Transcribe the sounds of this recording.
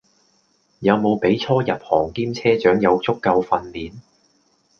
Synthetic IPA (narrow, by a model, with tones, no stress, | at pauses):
jɐ˨˧wmo˨˧wpe˨˥jt͡sʰɔː˥jɐ˨p̚hɔː˨˩ŋkiː˥mt͡sʰɛː˥t͡ʃœː˨˥ŋjɐ˨˧wt͡sʊ˥kːɐ˧wfɐ˧nliː˨n